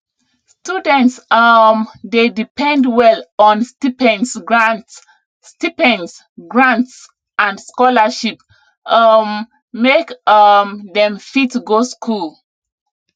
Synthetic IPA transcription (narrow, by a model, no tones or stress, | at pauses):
studɛ̃ntsmdedipʰɛ̃ndwɛlɔ̃nstipɛ̃nsɡɹãnts | stipɛ̃ns | ɡɹãnts | ãndskɔlaʃip̚ | mː | ekmdɛ̃mfitɡoskʰul